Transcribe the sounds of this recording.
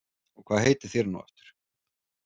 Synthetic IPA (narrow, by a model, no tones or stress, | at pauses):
ɔɣkʰvaːðhɦejt̪ɪ̥θjɛɾnṵwɛ̰ft̪ʏ̥ɾ̥